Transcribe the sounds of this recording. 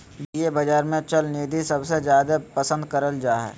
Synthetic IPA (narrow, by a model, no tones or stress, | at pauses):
bjebɐd͡ʒaːɾmẽt͡ʃɐlniːd̪ʱisɐbsezjaːd̪apɐsə̃nd̪kəɾəld͡ʒaːɦɛ̰ː